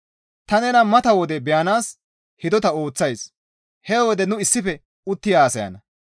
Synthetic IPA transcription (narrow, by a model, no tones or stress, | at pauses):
t̪ɐnɛnɐmɐt̪ɐwɔd̪ɛbɛjɐnaːs | hɪd̪ɔt̪ɐo̞ːt͡sːɐjs | hɛwɔd̪ɛnʊɪsːɪfɛ | ʊt̪ːɪjaːsɐjɐ̰nɐ